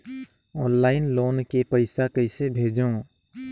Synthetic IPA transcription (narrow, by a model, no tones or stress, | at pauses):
ɔːnlaːɪnloːnkepəɪsakəɪsebʱeːd͡ʒõ